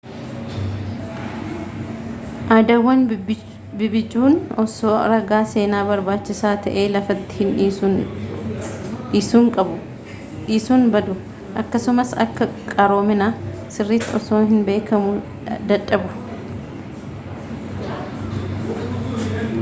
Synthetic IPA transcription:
ʔaːd̪ɐwːɐn | bɪbɪd͡ʒuːnɔsoːɾɐɡaːse̞ːnaːbɐɾbaːt͡ʃːɪsaːt̪ɐ̰ʔe̞ːlɐfɐt̪ːɪ̥hɪnː | ɪsuːŋkʼɐbʊ | ɪsuːnbɐd̪ʊ | ʔɐkːɐsʊmɐsɐ̰kːɐkʼɐɾo̞ːmɪnaːsɪrːiːt̪ːɪɔsoːɦɪnbe̞ːkʰɐmʊ | d̪ɐᶑːɐbʊ

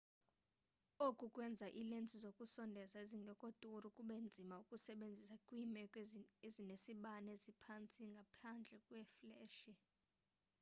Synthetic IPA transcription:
okʼukʼwɛnd͡zʱaʔilent͡sʼizokʼusɔndʱɛsaeziŋɡʱɛkʼotʼurukʼuɓɛnd͡zʱimaukʼusɛɓend͡zʱisakʼwimɛkʼezinesiɓanezipʰant͡sʰʼiŋɡʱapʰand͡ɮʱɛkʼwɛflɛːʃi

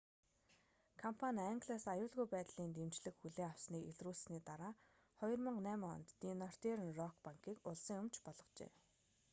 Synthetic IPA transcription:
kʰɔmpʰanʲaŋɡɮasajʊːɮɣujpæːt̪ɮiːnt̪emt͡ɕɮɘ̆kxuɮeːaw̥sniːkeɮruːɮsniːt̪aɾaː | χɔjɞ̆rmə̆ɴnæːmɔ̰nt̪ːiːnɔr̥t̪eɾə̆nrɔkpaŋkiːkʊɮsə̆ŋjʊmt͡ɕpɔɮɞ̆qt͡ɕḛː

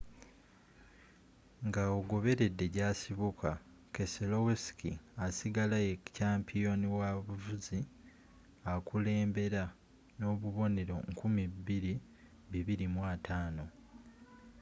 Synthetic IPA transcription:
ŋɡaoɡo̞βe̞ɾe̞dːe̞ɟasiβukʰa | ke̞selowesi̥kʰḭasiɡalajecaːmpʰijo̞niwaβuvuzi | akule̞ːmbe̞ɾa | no̞ːβuβo̞ne̞ɾo̞̰ŋkʰumibiɾi | βiβiɾimwaːtʰaːno̞

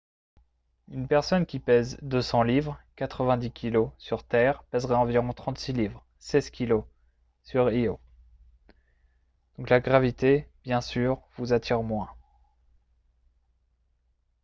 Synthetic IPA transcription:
ynpɛʁsɔnkʲipɛzd̪øsɑ̃livʁkat̪χəvɛ̃d̪ikʲʰilosyʁt̪ɛʁpɛzʁɛɑ̃viʁɔ̃t̪χɑ̃t̪silivʁ | sɛz̥kʲilo | syʁio | d̪̥ɔ̃klaɡʁavit̪eb̥jɛ̃syʁvuzat̪ʰiʁmwɛ̃

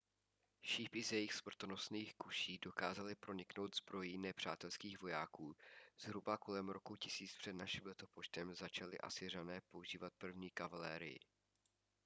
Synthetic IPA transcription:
ʃiːpʔɪzjɛjɪxsvr̩t̪ono̞sniːxkuʃiːdo̞ka̰ːzalɪpɾo̞ɲɪkno̞wt̪zbɾo̞jiːnɛpr̝̥a̰ːt̪ɛlskiːɣvo̞jaːkuːz̥ɦɾubako̞lɛmɾo̞kucɪsiːt͡spr̝̥ɛdnaʃɪmlɛt̪opoʃt̪ɛmzat͡ʃalɪ̰ʔa̰sɪranɛːpo̞uʒiːvat̪̚pr̩vɲiːkavalɛ̰ːɾɪ̰jɪ̰

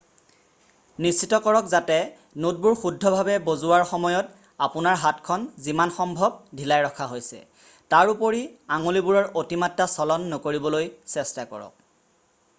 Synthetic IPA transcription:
nist͡ʃitɔkɔɹɔkzatɛ | nut̚buɹxudʱːɔbʱabɛbozuwaɹxɔmɔjɔt | apʊnaɹɦatkʰɔnzimanxɔmbʱɔb̚dʱilajɹɔkʰaɦojsɛ̰ | taɹupoɹiaŋolibuɹɔɹotimatːasɔlɔnːɔkoɹibɔlojsɛstakɔ̰ɹɔ̰k̚

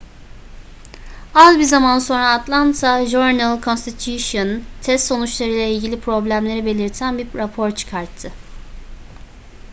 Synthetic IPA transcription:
azbizamanso̞nɾaːt̪lˠant̪ʰaʒuɾnɛlˠkʰonst̪ʰit̪ʰjuʃont̪ʰɛst̪so̞nut͡ʃlˠaɾɯjlʲˠɛilʲɟilʲipʰɾo̞blʲæmlʲe̞ɾibe̞lʲiɾt̪ʰænbiɾapʰo̞ɾt͡ʃʰɯ̥kʰaɾt̪ʰːɯ

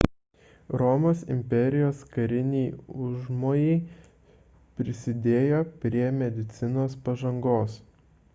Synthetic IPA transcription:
ɾɔmoːsɪ̰mʲpʲɛɾʲɪjoːskɐɾʲɪnʲɛɪʊʒmoːjɛɪ | pʲɾʲɪsʲɪd̪ʲeːjoːpʲɾʲiɛmʲɛd̪ʲɪt̪sʲɪnoːspɐʒɐŋɡoːs

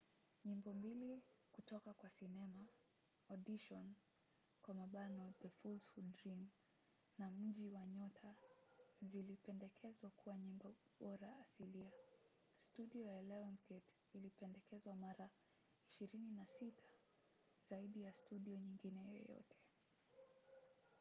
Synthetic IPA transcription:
ɲimbɔmbilikutɔkakwasinɛma | ɔɗiʃɔn | kwamaɓanɔðəfulsfuddɾim | nam̩ʄiwaɲɔtʰa | zilipɛndɛkʰɛzwakuwaɲimbɔɓɔɾaːsilia | stuɗiɔjalɛɔnsɡɛt | ilipɛndɛkɛzwamaɾa | iʃiɾininasitʰḁ | zaiɗijastuɗiɔɲiŋɡinɛjɔ̰jɔ̰tʰɛ̥

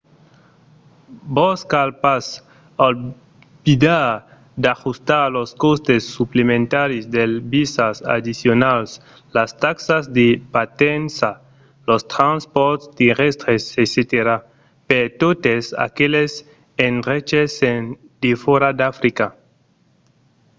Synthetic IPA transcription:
boskalpas | al | bid̪aɾ | d̪axust̪aɾloskost̪esːuplemẽnt̪aɾisd̪elbisasa̰d̪isjonals | last̪aksazd̪epat̪ensa | lost̪ɾanspɔɾt̪st̪eʁest̪ɾeseset̪eɾa | peɾt̪ot̪esa̰keles | enret͡ʃesen | d̪̥efoɾad̪afɾika

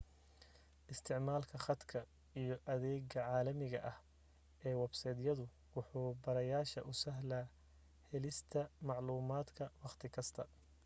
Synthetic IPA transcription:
ʔɪst̪ʰɪʕmaːlkʰɐχɑd̪kʰɐ | ijɞʔɐðɛːɡɐʕɑːlɐmɪɣɐ̰ʔɐh | ʔɛːwɑbsɛːd̪jɐðʊ | wʊħuːbɐɾɐjaːʃɐ̰ʔʊsɐɦlaː | hɛlɪst̪ʰɐmɑʕluːmaːd̪kʰɐwɑqt̪ʰɪkʰɐst̪ʰɐ

